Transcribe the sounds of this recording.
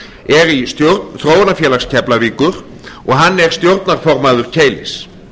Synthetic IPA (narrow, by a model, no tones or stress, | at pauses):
ɛɾist̪jowɾt̪θɾoːwanafjɛːlaxscʰɛplaviːkʏɾ̥ | ɔɣɦanːɛɾ̥st̪jowɾt̪naɾ̥fɔɾmaðʏɾ̥cʰeːjlɪ̰s